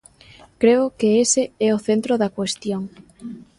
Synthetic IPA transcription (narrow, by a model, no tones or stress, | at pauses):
kɾeʊkeesɪɛoθent̪ɾoðɐkwest̪joŋ